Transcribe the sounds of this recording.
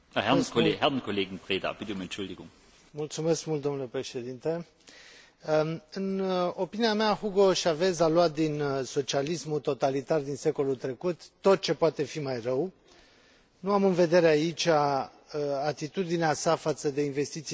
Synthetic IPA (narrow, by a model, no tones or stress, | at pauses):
hɛʁkeɦɛʁnkʰoleːɡn̩pʁ̥eːda̰b̥ɪt̪eʊmɛnt͡ʃʊld̪iɡʊ̰ŋ | mult̪sume̞skmult̪d̪o̞mnulepɾe̞ʃe̞d̪int̪e | ɨno̞piniameaxuɡo̞ʃave̞zalwat̪̚d̪inso̞t͡ʃialismut̪o̞t̪alit̪ard̪inse̞ko̞lult̪ɾe̞kut̪ːo̞t̪̚t͡ʃe̞poat̪e̞fimajrəw | nuamɨnve̞d̪e̞ɾeait͡ʃʲa | at̪it̪ud̪ineasafat̪səd̪e̞inve̞st̪it̪s